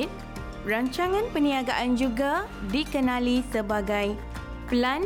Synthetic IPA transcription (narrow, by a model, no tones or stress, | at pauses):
t̪̚ | raɲt͡ʃaŋãnpəniaɡaʔand͡ʒuɡa | dikənãlisəbaɡaj | plan